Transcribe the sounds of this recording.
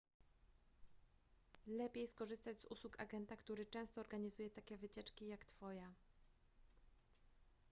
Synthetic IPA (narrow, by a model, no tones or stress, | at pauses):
lɛpʲjejskɔʐɘst̪ad͡ʑzṵswuka̰ɡɛnt̪akt̪uɾɘt͡ʂɛ̃w̃st̪ɔːɾɡaɲizujɛt̪akʲɛvɘt͡ɕɛt͡ʂkʲijakt̪fɔja